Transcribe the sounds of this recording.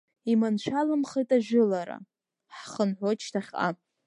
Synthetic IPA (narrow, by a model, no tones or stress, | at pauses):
imanʃʷᶣalɨmχejtʼaʒɪlaɾa̰ | ħχənħʷot͡ʃʰtʰaχʲa̰